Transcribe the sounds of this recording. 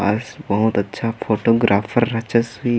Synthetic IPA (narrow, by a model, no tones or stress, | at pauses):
a̰sbɐɦʊt̪ɐtːʃʰafʰoːʈoːɡɾaːfʰəɾːɐt͡ʃəsbi